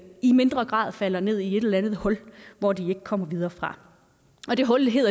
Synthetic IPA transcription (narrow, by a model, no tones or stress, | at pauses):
ime̝nd̥ʁɐɡ̥ʁɑ̰̈ːðˠfæl̰ɐne̝ð̰ˠie̝ɾ̥elɐænð̞̩ˠhɒ̽lʋɒd̥ie̝ɡ̥əkʰɒ̽m̰ɐʋiðˠɐːfʁɑ̈ | ɒ̽d̥e̝ɦɒ̽lɦe̝̰ː